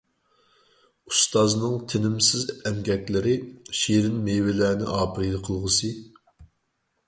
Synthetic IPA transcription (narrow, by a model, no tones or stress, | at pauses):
ust̪ɑznɨŋt̪ʰɪnɪmsɪzɛmɡʲɛkʲlɪɾɪʃiɾɪnmewɪlæːnɪ̰ʔɑːpʰɨɾɨjd̪ɨqʰəlˠʁəsɨ